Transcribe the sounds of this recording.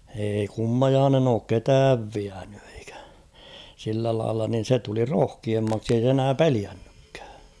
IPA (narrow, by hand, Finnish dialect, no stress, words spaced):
eːi kumːɑjɑːnen oːk ketæːʋ ʋiæn̥ẙ e̥i̥kæ̥ silːæ lɑilːɑ nin̞ se tuli roh̝kiemːɑksi ei se enæː peliænːykːæ̥ː